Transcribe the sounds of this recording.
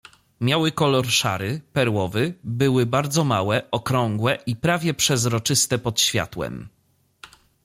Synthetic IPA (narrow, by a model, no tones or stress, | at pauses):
mʲjawɘkɔlɔɾʂa̰ɾɘpɛɾwɔvɘbɘwɘbaɾd̪zɔmawɛʔɔkɾɔŋɡwɛʔipɾavʲjɛpʂɛzɾɔt͡ʂɘst̪ɛpɔt̪ɕfʲja̰t̪wɛ̰m